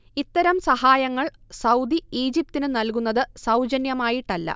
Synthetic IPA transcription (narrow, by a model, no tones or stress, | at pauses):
it̪ːɐɾɐmsɐhaːjɐŋːɐɭsɐwd̪iiːd͡ʑip̚t̪inɨnɐlkunːɐðɨsɐwd͡ʑɐnjɐmaːjiʈːɐlːɐ̰